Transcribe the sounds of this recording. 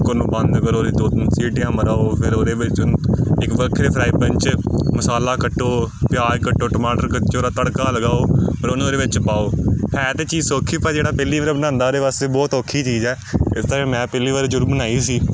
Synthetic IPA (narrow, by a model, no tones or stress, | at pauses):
kəñːbə̃nd̪əɡəɾoːɾeːd̪oːsiːʈjãːməɾaːoːpʰɪɾoːɾeːʋɪt͡ʃɪkʋəkʰɾeːpʰɾaːiːpəɲt͡ʃməsaːlaːkəʈːoːpjaːɾkəʈːoːʈəmaːʈəɾkət͡ʃoːɾaːt̪əɽkaːləɡaːoːpəɾʊnãːɾeːʋɪt͡ʃpaːoːhɛːt̪eːt͡ʃiːzsoːkʰiːpɛd͡ʒeːɽaːpɛːliːʋaːɾeːbənãːnd̪aːɾeːʋaːst̪eːbɔːt̪oːkʰːiːt͡ʃiːzɛː | ɪst̪aːẽmɛ̃ːpɛːliːʋaːɾeːd͡ʒʊɾbənaːiːsiː